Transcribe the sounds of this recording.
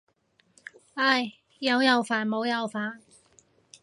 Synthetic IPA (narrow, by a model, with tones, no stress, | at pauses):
a˥˩j | jɐ˨˧wjɐ˨˧wfaː˨˩nmo˨˧wjɐ˨˧wfaː˨n